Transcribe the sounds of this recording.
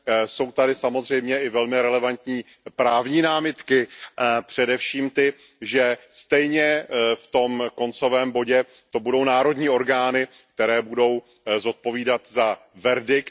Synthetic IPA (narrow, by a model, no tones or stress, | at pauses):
so̞wt̪adɪsamo̞zr̝ɛjmɲɛʔɪvɛlmɪɾɛlɛvant̪ɲiː | pɾaːvɲiːnaːmɪt̪kɪʔapr̝̥ɛdɛfʃiːmt̪ɪ | ʒɛst̪ɛjɲɛft̪o̞mko̞nt͡so̞vɛːmbo̞ɟɛ | t̪o̞budo̞wnaːɾo̞dɲiːo̞ɾɡaːnɪ | k̚t̪ɛɾɛːbudo̞w | zo̞t̪̚po̞viːdat̪zavɛɾdɪk